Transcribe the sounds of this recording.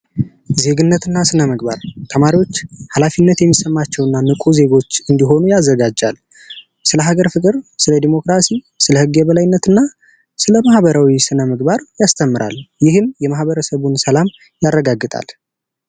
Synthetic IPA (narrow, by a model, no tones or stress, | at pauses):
ze̞ɡɨnːət̪ʰɨnːasɨnəməɡba̰ɾt̪ʰəmaɾiwo̞t͡ʃːhalafinːət̪jɛmːisəmːat͡ʃːɛwɨnːanɨkʼuze̞ɡo̞t͡ʃːɨnd̪iɦo̞nujazːəɡad͡ʒːal | sɨləɦaɡəɾfɨkʼɨɾsɨləd̪imo̞kɾasi | sɨləhɨɡeβəlajnːət̪ɨnːa | sɨləmahβəɾawisɨnəməɡbaɾjast̪ʰəmːɨɾa̰ljɪhɨmjɛmahβəɾəsəβunsəlam | jarːəɡaɡːɨt̪ʼa̰l